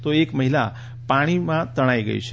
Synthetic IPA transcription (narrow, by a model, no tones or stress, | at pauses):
t̪oekməɦila | paɽ̃imãt̪əɽ̃aiɡə̰ḭt͡ʃʰe